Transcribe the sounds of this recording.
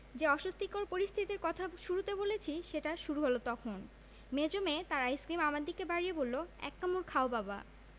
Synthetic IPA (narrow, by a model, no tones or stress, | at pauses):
d͡ʑeɔʃost̪ikoɾpoɾist̪ʰit̪iɾkɔt̪ʰaʃuɾut̪ebolet͡ɕʰiʃeʈaʃuɾuɦolot̪ɔkʰon | med͡ʑomet̪aɾajskɾimamaɾd̪ikebaɾijebolːoɛ̰kːamuɾkʰaobaba̰